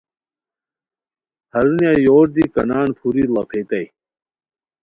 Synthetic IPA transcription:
hɐɾunjajoːɾd̪ikɐnaːnpʰuɾilɐpʰet̪ɐj

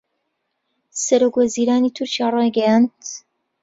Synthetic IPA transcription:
sɐɾokwɐziːɾaːniːt̪ʰʊɾt͡ʃijaːrˤɑjɡɐjant̪

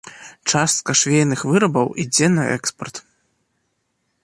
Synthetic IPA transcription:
t͡ʂast̪̚kɐʂvʲejnɨxvɨɾɐbɐwʔid͡zʲɛnɐɛ̰kspɐrt̪

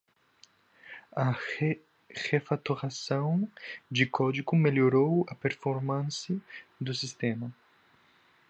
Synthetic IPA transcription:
ɐe | hefat̪uʁasɐ̃w̃d͡ʒɪkɔd͡ʒiɡumeljoɾowɐpeɾfoɾmɐ̃nsɐd̪usist̪ẽmɐ

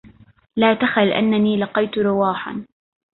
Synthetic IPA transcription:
laːt̪axalʔa̰nːaniːlɑqɑjt̪ʊɾʊwaːħa̰n

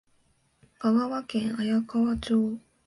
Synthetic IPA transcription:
kaɡaβakẽɰ̃ajakaβat͡ɕoː

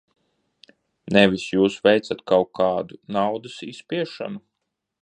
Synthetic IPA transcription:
nɛvʲisjuːsvɛjt̪sat̪kawkaːd̪unawd̪ɐsiːspʲiɛʃa̰nu

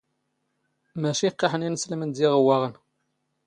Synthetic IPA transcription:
mæʃiqːɑħəninsləmənd̪iʁəwːæʁən

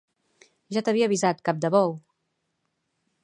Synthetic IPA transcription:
ʒat̪əβiəβizat̪̚kap̚d̪əβɔw

